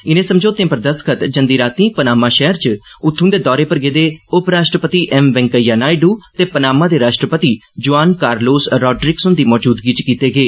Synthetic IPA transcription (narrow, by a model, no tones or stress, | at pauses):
ɪnẽːsəmd͡ʒoːt̪ẽːpəɾd̪əst̪kʰət̪d͡ʒənd̪iːɾaːt̪ĩːpənaːmãːʃɛɦəɾt͡ʃʊt̪ʰːũnd̪eːd̪ɔːɾeːpəɾɡeːd̪eːʊpɾaːʃʈɾəpət̪iːʔɛmʋɛ̃ŋkəjaːnaːiɖuːt̪eːpənaːmãːd̪eːɾaːʃʈɾəpət̪iː | d͡ʒʊaːnkaːɾloːsɾɔːɖɾɪksʊnd̪iːmɔːd͡ʒuːd̪ɡiːt͡ʃkiːt̪eːɡeː